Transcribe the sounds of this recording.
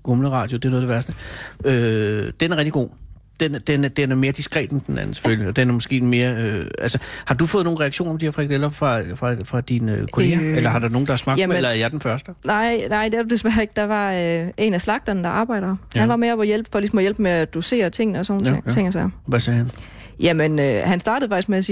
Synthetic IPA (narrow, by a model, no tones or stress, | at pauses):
ɡ̥omləʁɑ̰̈ːd̥jo̝d̥e̝ɐnɔːðˠde̝ʋæɐsd̥əød̥enæɐʁɛɡ̥̚iɡo̝̰ː | d̥end̥end̥enæɐme̝ːɐd̥isɡ̥ʁɛ̰ːd̥n̩d̥enæ̰n̩se̥føljiɒ̽d̥enæɐmɔsɡ̥e̝̰ːme̝ːɐøælsəhɑ̈d̥ufɔ̽ːð̩ˠnoːn̩ʁɛaɡ̥ɕo̰ːnɐɒ̽md̥iheɛɐfʁɛɡ̚d̥elɐfʁɑ̈fʁɑ̈fʁɑ̈d̥inøkʰo̝e̝ːɡɐelɐɦɑ̈d̥ɑno̝ːn̩d̥ɑhɑsmɑ̈ɡlɐæɐjɑ̈ɪd̥enfɶɐsd̥ənɑɪ̰nɑ̈ɪ̰d̥eæɐd̥ud̥e̝sʋæɐeɡ̥d̥ɑ̈ʋɑ̈øe̝̰næslɑ̈ɡ̥̚d̥ɐnəd̥ɑ̈ʔɑ̈ːb̥ɑ̈ɪɾ̥ɐhænʋɑ̈meɒmɒjelb̥fɒ̽lisɒ̽mɒ̽jel̰b̥meæd̥use̝̰ːɐt͡sʰe̝ŋ̰nəɒsɔnn̩ʰeŋt͡sʰe̝ŋ̰ɐsɛɐ̰ʋæsɛːhæn | jæmenøhænsd̥ɑ̈ːdəð̩ˠfɑ̈ɡ̥i̥sɡ̥meæsiː